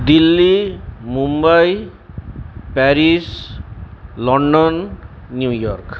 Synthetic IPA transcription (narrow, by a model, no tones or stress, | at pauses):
d̪ilːimumbʌj | paɾis | lʌɳɖʌnː | jujɔrk